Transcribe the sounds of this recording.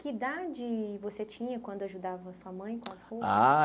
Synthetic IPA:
kɪd̪ad͡ʒɪvoset͡ʃĩɲɐkwɐ̃nd̪ʊaʒud̪avɐsuɐmɐ̃j̃kõɐskoa̰

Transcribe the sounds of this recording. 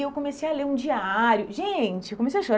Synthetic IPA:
ewkõmesejɐleũd͡ʒiaɾjʊʒẽt͡ʃɪwkomesejɐaʃoɾ

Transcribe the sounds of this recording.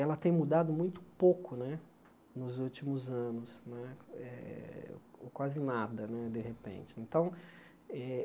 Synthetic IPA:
ɛlɐt̪ẽj̃mud̪ad̪ʊmũj̃t̪ʊ̥pokʊnɛ | nʊzut͡ʃimʊzɐ̃nʊsnɛɛ̰ | kwazɪnad̪ɐnɛd̪eɦepḛ̃nt͡ʃɪẽnt̪ɐ̃w̃ | ɛ

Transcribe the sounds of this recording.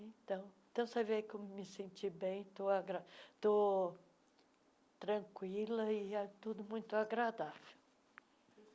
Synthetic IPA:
ẽt̪ɐ̃w̃ẽt̪ɐ̃w̃sevekewmɪsẽnt͡ʃibẽj̃t̪oaɡɾat̪o | t̪ɾɐ̃kwilɐɪɛt̪ud̪ʊmũj̃t̪ʊaɡɾad̪avew

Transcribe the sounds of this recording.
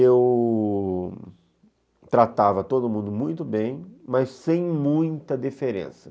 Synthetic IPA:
ew | t̪ɾat̪avɐt̪od̪ʊmũnd̪ʊmũj̃t̪ʊbẽj̃mɐsːẽj̃mũj̃t̪ɐd̪ifeɾḛ̃sɐ

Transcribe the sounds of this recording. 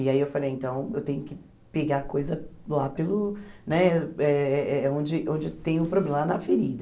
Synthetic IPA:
ɪaiewfalejẽnt̪ɐ̃w̃ewt̪ẽɲʊkɪ | peɡakojzɐlapelʊnɛɛɛɛɛõd͡ʒɪʔõd͡ʒɪt̪ẽj̃ʊpɾoblẽmɐlanɐfeɾid̪ɐ

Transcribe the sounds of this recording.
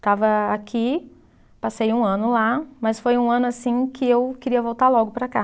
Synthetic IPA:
t̪avɐakʰi | pasejũɐ̃nʊlamɐsfojũɐ̃nʊasĩkʰɪewkɪɾiɐvowt̪aɾlɔɡʊpɾɐka

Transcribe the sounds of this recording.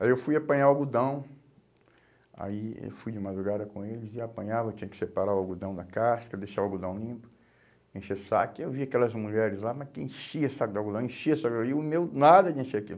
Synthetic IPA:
aiewfujapɐ̃ɲaawɡud̪ɐ̃w̃ | a̰iḛwfujd͡ʒɪmad̪ɾuɡad̪ɐkõelɪzɪapɐ̃ɲavɐewt͡ʃĩɲɐkɪ̥sepaɾawawɡud̪ɐ̃w̃d̪ɐkaskɐd̪ejʃavaɡud̪ɐ̃w̃lĩpʊ̥ | ẽʃesa̰kɪewviakɛlɐzmuʎɛɾɪzlamakḛ̃ʃiɐsakɪd̪awɡud̪ɐ̃w̃ẽʃiɐsaɡiʊmewnad̪ɐd͡ʒɪẽʃeakil

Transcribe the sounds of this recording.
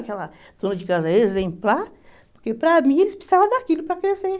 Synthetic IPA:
kɛlɐ | zõnɐd͡ʒɪkazɐezẽmplaɾ | poɾkepɾɐmĩelɪspsi̥savɐ̃d̪aakilʊpɾɐkɾese

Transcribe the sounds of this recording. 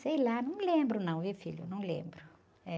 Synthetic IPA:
sejlanɐ̃w̃lẽmbɾʊnɐ̃w̃vifiʎʊnɐ̃w̃lḛ̃mbɾʊ | ɛ

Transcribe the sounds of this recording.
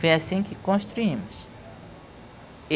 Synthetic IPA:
fejasĩkɪkõʃt̪ɾuĩmʊs

